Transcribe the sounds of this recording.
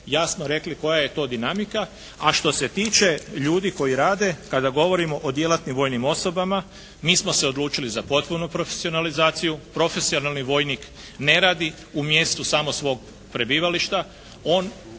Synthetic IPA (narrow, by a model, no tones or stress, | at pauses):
jaːsnoɾe̞kliko̞jaje̞t̪o̞ːd̪inamika | aʃt̪o̞se̞t̪iːt͡ʃe̞ʎuːd̪iko̞jiɾaːd̪e̞kad̪aɡo̞ʋo̞ɾimo̞ʔod̪je̞lat̪nimʋo̞ːjnimo̞so̞bama | miːsmo̞se̞o̞d̪luːt͡ʃilizapo̞t̪̚punupɾo̞fe̥sio̞nalizaːt̪sijupɾo̞fe̞sio̞nalˠniʋo̞jnik | ne̞ɾaːd̪i | umje̞st̪usamo̞sʋo̞ːɡ̚ | pɾe̞biːʋaliʃt̪a | o̞ːn